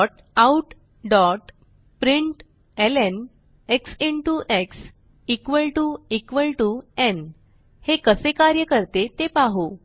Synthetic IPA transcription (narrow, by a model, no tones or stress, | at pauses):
ʈ | auʈ | ɖɔʈ | pɾiɳʈ | elen | eksiɳʈuʔeks | ikʋəlʈuikʋəlʈuen | hekəsekaɾjəkəɾt̪et̪epaɦo